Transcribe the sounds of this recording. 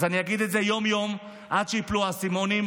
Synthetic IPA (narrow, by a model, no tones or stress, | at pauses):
zaniaɡid̪eze̞jo̞mjo̞m | ʔad̪ʃeipluasimo̞nim